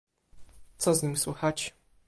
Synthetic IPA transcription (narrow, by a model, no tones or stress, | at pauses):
t̪sɔzɲimʲswuxat͡ɕ